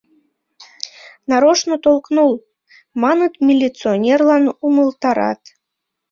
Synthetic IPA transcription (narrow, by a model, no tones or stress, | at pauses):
nɑɾoʃnot̪olˠknulˠ | mɑnɨt̪mʲilʲit͡sɨonʲerlˠɑnuməlˠt̪ɑɾɑ̰t̪